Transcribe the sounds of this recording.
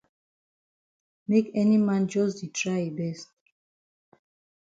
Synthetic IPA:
mekʰɛnimãnd͡ʒɔsditʰɹajbɛst̚

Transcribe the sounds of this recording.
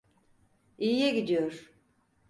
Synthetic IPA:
ijjɛɡid̪ijoɾ̥

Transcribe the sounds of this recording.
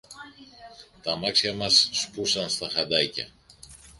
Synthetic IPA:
t̪ɐmɐksçɐmɐsːpusɐnst̪ɐxɐd̪ɐcɐ̰

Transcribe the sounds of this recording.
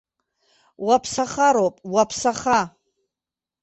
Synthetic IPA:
wapʰsaχaɾowpʼwapʰsaχa

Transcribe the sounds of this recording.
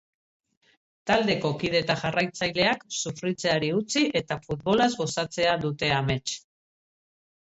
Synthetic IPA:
t̪ald̪e̞ko̞kið̞e̞t̪aʝarajt͡sajle̞aksufɾit͡se̞aɾiut͡siʔe̞t̪afut̪̚βo̞lazɣo̞sat͡se̞aðut̪e̞ame̞t͡ʃ

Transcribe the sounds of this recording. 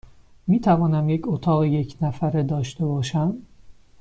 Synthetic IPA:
miːt̪ʰævɒːnæmje̞cʰot̪ʰɒːɣeje̞cʰnæfæɾed̪ɒːʃt̪e̞bɒːʃæm

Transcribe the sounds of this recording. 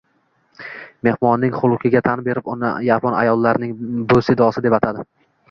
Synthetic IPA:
me̞hmɒnːɪŋχʊlˠʊkʲʰɪɡʲat̪ʰanbe̞ɾɪpʊnɪ̰japʰɒna̰jɒlˠːaɾnɪŋbʊsɪd̪ɒsɪd̪e̞pat̪ʰad̪ɪ

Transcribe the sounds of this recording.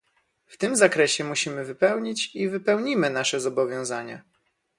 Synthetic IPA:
ft̪ɘmzakɾɛɕɛmuɕimɘvɘpɛwɲit͡ɕivɘpɛwɲimɘnaʂɛzɔbɔvʲjɔ̃w̃zaɲa̰

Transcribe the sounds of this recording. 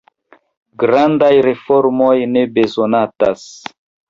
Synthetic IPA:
ɡɾandajɾe̞fo̞ɾmo̞jne̞be̞zo̞natas

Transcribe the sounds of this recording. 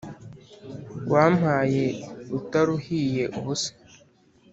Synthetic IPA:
wʔaːm̥haːjeutaɾuhijeʔuɦuse̥

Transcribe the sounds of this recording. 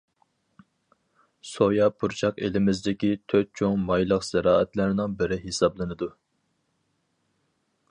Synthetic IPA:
sojɑpʰuɾt͡ʃʰɑqelɪmɪzd̪ɪkʲit̪ʰøt̪̚t͡ʃʰoŋmɑjlˠəqsɛɾɑːɛt̪læɾnɨŋbɪɾɪɦesɑblˠɨnɨd̪u

